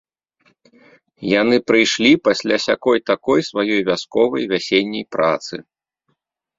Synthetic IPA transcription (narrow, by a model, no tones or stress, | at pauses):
janɨpɾɨjʂlʲipasʲlʲasʲakɔjt̪akɔjsvajɔjvʲaskɔvɐjvʲasʲenʲːɐjpɾʔa̰t̪sɨ̰